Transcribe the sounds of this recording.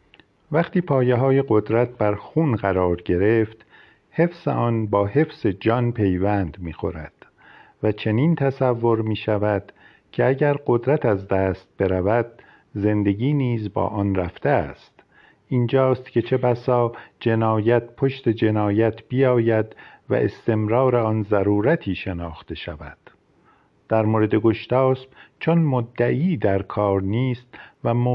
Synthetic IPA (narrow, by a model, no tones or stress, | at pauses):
væχt̪iːpʰɒːjeɦɒːje̞ɢo̞d̪ɾæt̪̚bæɾxuːnɢæɾɒːɾɟe̞ɾeft̪ | he̞fsḛʔɒːnbɒːhe̞fse̞d͡ʒɒːnpʰe̞jvænd̪miːxo̞̰ɾæ̰d̪̥ | væt͡ʃʰe̞niːnt̪ʰæsævːo̞ɾmiːʃævæd̪̥ | cʰe̞æɟæɾɢo̞d̪ɾæt̪æzd̪æːst̪̚b̥e̞ɾævæd̪̥ | ze̞nd̪e̞ɡiːniːzbɒ̰ːʔɒːnræft̪eæ̰st̪ | ind͡ʒɒːst̪cʰe̞t͡ʃʰe̞bæsɒːd͡ʒe̞nɒːjæt̪pʰoʃt̪e̞d͡ʒe̞nɒːjæt̪ʰb̥ijɒːjæd̪væ̰ʔe̞st̪e̞mɾɒːɾeɒːnzæɾuːɾæt̪ʰiːʃe̞nɒːxt̪e̞ʃæ̰væ̰d̪̥ | d̪̥æɾmoːɾed̪e̞ɡoʃt̪ɒːsb̚t͡ʃʰonmod̪ːæʔiːd̪æɾkʰɒːɾniːst̪væmo